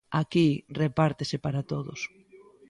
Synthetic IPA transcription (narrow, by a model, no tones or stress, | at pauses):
akirepaɾt̪esepaɾat̪oðʊ̰s